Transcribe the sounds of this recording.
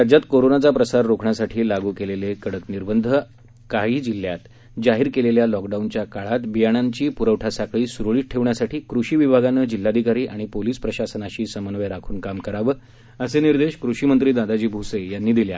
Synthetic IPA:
ɾad͡ʑjat̪koɾonat͡sapɾəsaɾːokʰɳjasaʈʰiːlaɡuːkelelekəɽəkniɾbənd̪ʱə | kaɦiːd͡ʑilːjat̪ | d͡zaɦiːɾkeleljalɔkɖaunt͡ɕjakaɭat̪bijaɽ̃aɲt͡ɕiːpuɾəʋʈʰasakɭiːsuɾɭiːʈʰeʋɳjasaʈʰiːkɾuɕiːʋibʱaɡanəːd͡ʑilːad̪ʱikaɾiːʔaɽ̃ipoliːspɾəɕasənaɕiːsəmənʋeɾakʰuːnkamkəɾaʋəː | əseniɾd̪eɕkɾuɕimənt̪ɾiːd̪ad̪ad͡ʑiːbʱusejanːiːd̪ilja̰

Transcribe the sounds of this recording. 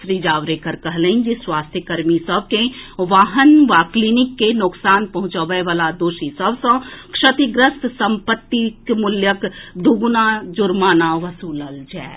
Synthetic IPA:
ʃɾiːd͡ʒaːʋɾekəɾkɐɦleɪnd͡ʒiswaːst̪ʰjəkəɾmisəb̚keʋaːɦənʋaklinɪkːenʊksaːnpɐɦʊ̃t͡ʃaʋeʋaːlad̪oːʃisəbsə̃kʃət̪iɡɾəst̪sə̃mpət̪ːikmʊljəkd̪uɡnad͡ʒʊɾmaːnaʋəsuːləld͡ʒa̰ː

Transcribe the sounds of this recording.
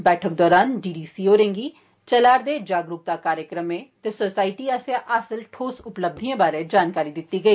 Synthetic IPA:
bɛːʈʰək̚d̪ɔːɾaːnɖiːɖiːsiːoːɾẽːŋɡiː | t͡ʃəlaːɾd̪eːd͡ʒaːɡɾʊk̚t̪aːkaːɾjəkɾəmẽːt̪eːsoːsaːiʈiːasaʔəsəlʈʰoːsʊpləb̚d̪ʱiãːbaːɾẽːd͡ʒaːnkaːɾiːd̪ɪt̪ːiːɡəiː

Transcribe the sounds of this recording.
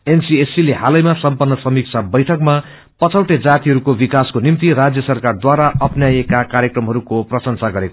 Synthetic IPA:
ensiesileɦalʌjmasʌmpʌnːʌsʌmik̚t͡sʰabʌjʈʰʌkma | pʌt͡sʰʌwʈed͡zat̪iɦʌɾukobikaskonimt̪irad͡zjʌsʌrkard̪waɾaʔʌpʰnjajekakaɾjekrʌmɦʌɾukoprʌsʌnsaɡʌɾeko

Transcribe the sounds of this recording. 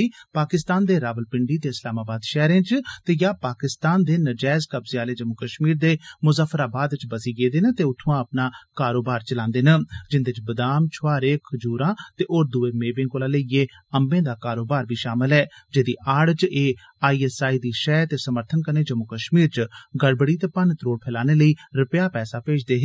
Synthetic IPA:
iːpaːkɪst̪aːnd̪eːɾaːʋəlpɪɳɖiːt̪eːɪslaːmaːbaːd̪ʃɛːɾẽːt͡ʃt̪eːjaːpaːkɪst̪aːnd̪eːnəd͡ʒɛːzkəbzɪjaːleːd͡ʒəmʊkəʃmiːɾd̪eːmʊzəfʰəɾaːbaːd̪t͡ʃbəsiːɡeːd̪eːnə̃t̪eːʊt̪ʰːũãːəpnaːkaːɾoːbaːɾt͡ʃəlãːnd̪eːnəd͡ʒɪnd̪eːt͡ʃbəd̪aːmt͡ʃʰʊaːɾeːkʰəd͡ʒuːɾãːt̪eːʔoːɾd̪ʊeːmeːbẽːŋkoːlãːləieː | əmbẽːd̪aːkaːɾoːbaːɾbʱiːʃaːmɪlɦɛːd͡ʒeːd̪iːʔaːɽt͡ʃeː | aːiːɛsaːiːd̪iːʃɛːt̪eːsəməɾt̪ʰənkəɾneːd͡ʒəmːʊkəʃmiːɾt͡ʃɡəɽbəɽiːt̪eːpant̪ɾoːɽpʰɛːlaːneːləiːɾɪpjaːpɛːsaːpeːd͡ʒʰd̪eːɦ

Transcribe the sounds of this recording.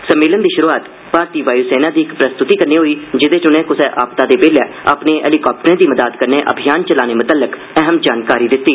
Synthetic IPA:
səmːɪːlənd̪iːʃʊɾuːaːt̪ | paːɾt̪iːʋaːjuːsɛːnaːd̪iːɪkpɾəst̪ʊt̪iːkəɾniːɦoːiːd͡ʒɪd̪eːt͡ʃʊnɛ̃ːkʊsɛːʔaːpt̪aːd̪eːpeːlɛːa̰ːpneːʔɛ̰ːliːkaːp̚ʈəɾẽːd̪iːməd̪aːd̪kəɾneːʔə̰bʱijaːnt͡ʃəlaːneːmʊt̪əlːək | ɛɦəmd͡ʒaːnkaːɾiːd̪ɪt̪ːiː

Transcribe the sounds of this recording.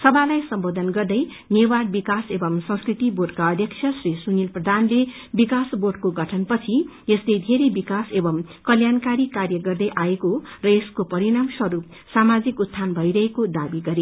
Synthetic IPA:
sʌbʱalajsʌmbod̪ʱʌnɡʌrd̪ʌj | newarbikasebʌmsʌ̃ŋskrit̪iboɖkaʌd̪ʱjʌkt͡sʰjʌsrisunilprʌd̪ʱanle | bikasboɖkoɡʱʌʈʰʌnpʌt͡sʰi | eslejd̪ʱeɾebikasebʌmkʌljankaɾikarjʌɡʌrd̪ʌjʔaekorʌeskopʌɾiɾamswʌɾup̚ | samad͡zikut̪ʰːanbʱʌjɾʌɦekod̪abiɡʌɾe

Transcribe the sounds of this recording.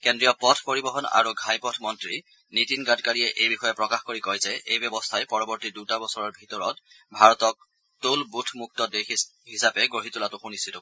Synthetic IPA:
kendɹijɔpɔtʰpɔɹibɔɦɔna̰ɹuɡʱajpɔtʰmɔntɹi | nitinɡatkaɹiɛʔejbixɔjɛpɹɔkaxkoɹikɔjzɛʔejbɛbɔstʰajpɔɹɔbɔɹtidutabɔsɔɹɔɹbʱitɔɹɔt | bʱaɹɔtɔk̚ | tulbutʰmuk̚tɔdexiɦisapɛɡɹoɦitulatʊxunistʰitɔ

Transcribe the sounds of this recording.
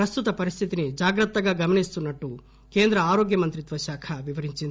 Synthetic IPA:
ɾɐst̪ut̪ɐpɐɾist̪ʰit̪inid͡ʒaːɡɾɐt̪ːɐɡɐɡɐmɐɳist̪unːɐʈːu | keːnd̪ɾɐaːɾoːɡjɐmɐnt̪ɾit̪ʋɐʃaːkʰɐʋiʋɐɾiɲt͡ʃind̪

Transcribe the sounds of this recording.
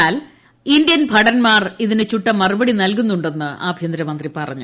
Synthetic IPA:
aːl | indijɐnbʱɐɽɐnmaːriðinet͡ɕuʈːɐmːɐrubɐɽinɐlk̬unːuɳɖe̞nːɨʔa̰ːbʱjɐnd̪ɾɐmɐnd̪ripɐrɐ̰ɲːu

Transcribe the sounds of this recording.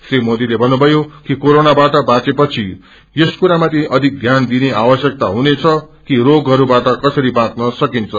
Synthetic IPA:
srimod̪ilebʱʌnːubʱʌjokikoɾonabaʈʌbãt͡sepʌt͡sʰi | jʌskuɾamat̪ʰiʔʌd̪ʱik̚ɡʱjand̪ineawʌsjʌk̚t̪aɦunet͡sʰʌkiroɡʌɾubaʈʌkʌsʌɾibãt͡snʌsʌkint͡sʰʌ

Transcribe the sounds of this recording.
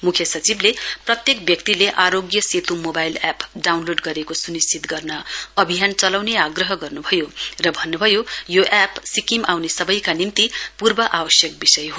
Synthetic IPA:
mukʰjʌsʌt͡sibleprʌt̪jekbjʌkt̪ileʔaɾoɡjʌset̪ʰumobajlapɖawnloɖɡʌɾekosunist͡sit̪ɡʌrnʌʌbʱijant͡sʌlawneaɡrʌɦʌɡʌrnubʱʌjorʌbʱʌnːubʱʌjojoʔapsikimawnesʌbʌjkanimt̪ipurbʌʔawʌsjʌk̚bisʌjɦo

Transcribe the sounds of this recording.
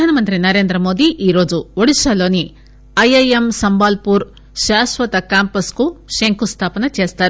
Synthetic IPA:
aːnɐmɐnt̪ɾinɐɾeːnd̪ɾɐmoːd̪iʔiːɾo̞ːd͡ʒuoɽisɐloːni | ɐjɐjemsɐmbaːlpuːɾ | ʃaːsʋɐt̪ɐkaːmpɐskuʃeŋkust̪ʰaːpɐnɐt͡ʃe̞ːst̪aːɾ

